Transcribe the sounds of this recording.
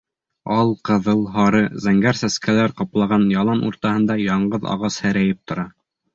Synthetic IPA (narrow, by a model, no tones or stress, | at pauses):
ɑlˠqɤ̆ðɤlˠɦɑɾɤzæŋɡæɾsæskʰælæɾqɑplˠɑʁɑnjɑlˠɑnṵɾt̪ɑhɤ̆nd̪ɑjɑɴɢɤðɑ̰ʁɑshæɾæjɘp̚t̪ŏɾɑ